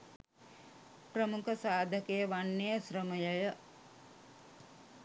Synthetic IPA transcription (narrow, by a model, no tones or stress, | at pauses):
pɾɐmukʰɐsaːd̪ʱɐkejɐʋanːejɐsɾɐmɐjɐjɐ